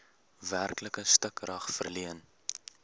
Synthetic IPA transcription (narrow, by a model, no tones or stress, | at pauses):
værkləkəstəkrɐχfərliən